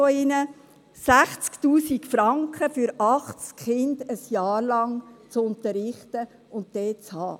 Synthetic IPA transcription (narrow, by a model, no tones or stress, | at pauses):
oɪnə | sæχt͡sktuːsikfɾɑŋkχəfyɾɑχt͡skχɪndəsjɑːɾlɑŋt͡sʊntəɾɪχtə | ʊnt̚d̥ɛːt͡shɑ̰ː